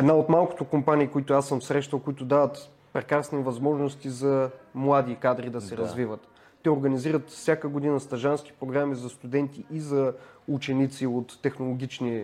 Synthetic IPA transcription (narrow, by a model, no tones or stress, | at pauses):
ɛd̪naot̪malˠkʊ̥t̪ʊkompaniːkoit̪ʊasːəmfsɾɛʃt̪əlˠkʊit̪ʊd̪avət̪ | pɾɛkɾasnivɐzmɔʒnost̪izɐmlˠad̪ikad̪ɾid̪ɐsɛɾɐzvivət̪ː | ɛoɾɡəniziɾət̪fsʲjakəɡod̪inəst̪ɐʒansk̟i̥pɾoɡɾamizɐst̪ud̪ɛnt̪iʔːzɐut͡ʃɛnit̪siot̪ːɛxnolˠoɡʲit͡ʃni